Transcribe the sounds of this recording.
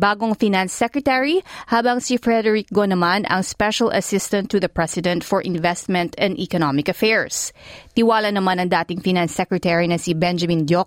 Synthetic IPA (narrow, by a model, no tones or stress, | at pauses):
baːɡoŋfinansːɛkɹɛt̪ɛɹihaːbɐŋsifɹɛd̪ɛɹik̚ɡonɐmanɐ̰ŋspɛʃɐlʔɐ̰sɪst̪ɐnt̪ːʊðɐpɹɛsɪd̪ɛ̃nt̪fɔɹʔɪ̃nvɛst̪̚mɛ̃nt̪ɛ̃nd̪ikonomɪkɐfɛɹst̪ɪwaːlɐnɐmanɐŋd̪aːt̪ɪŋfinansːɛkɹɛt̪ɛɹinɐsibɛnd͡ʒɐmĩnd̪jok̚